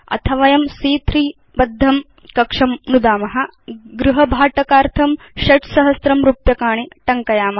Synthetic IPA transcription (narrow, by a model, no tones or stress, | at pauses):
ɐ̰t̪ʰɐʋajɐmsiːt̪ɾiː | bɐd̪ʱːɐm | kɐkʂɐmnud̪aːmɐɦɐ̆ | ɡɾuɦɐbʱaːʈɐkaːɾt̪ʰɐm | ʃɐʈsɐɦɐsɾɐmɾupjɐkaːɳiʈɐŋkɐjaːmɐ